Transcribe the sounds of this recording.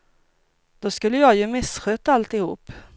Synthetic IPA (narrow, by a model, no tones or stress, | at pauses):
d̪̥ɔskɵlːəjɑːɡjɵmɪsɧøt̪aalt̪ɪhṵːp